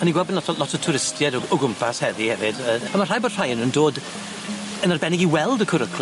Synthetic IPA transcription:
haniɡwɛlˠbənlɔtʰlɔtʰətʰʊɾɪstʰjɛdɔɔɡʊmpʰashɛvihɛvɪdəamar̥ajbod̥r̥ajənəndoːd | ənarbɛnɪɡiwɛlˠdəkʰʊɾəkʰl

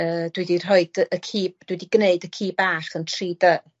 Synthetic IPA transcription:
əːd̥widir̥ɔɨdəkʰiːd̥widiɡneɨdəkʰiːbaːχəntʰriːdə

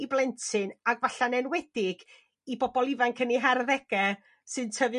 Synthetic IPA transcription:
iblɛntʰɨnaɡvaɬanɛnwɛdɪɡ̥ | ibɔbɔlˠɪvankʰəniɦɛrðɛɡ̥ɛ | sɨntʰəvɨ

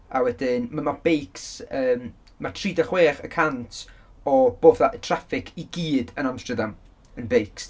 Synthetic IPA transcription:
awɛdɪnmamab̥ejksəːm | matʰriːdaχweːχə̰kʰantʰɔb̥oːvðaʔətʰrafɪkʰiɡiːdənamstərdam | ənbejks

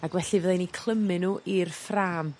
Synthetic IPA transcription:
aɡwɛɬivəðejnikʰl̥ˠəmɪnuʔirfraːm

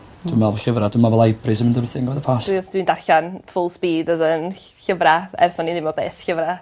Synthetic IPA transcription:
d̥umalˠvɬəvradɪmavɛlˠajbrɪsəmɪndəɾɪθɪŋɡəvɛðəpʰasd̥windarxanfʊlˠspiːdəzən | çəvraɛ̰rsɔniðɪmɔbeːθçəvɾa

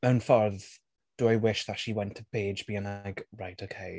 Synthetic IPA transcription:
mɛwnfɔɾð | d̥əawɪʃðətʃiwɛntʰəbeːd͡ʒbiənaɡ̥ɹajtʰokʰej

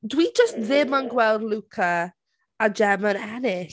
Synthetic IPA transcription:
dwid͡ʒəstðɪmənɡwɛlˠdlukʰəː | d͡ʒɛmə̃nɛnɪ

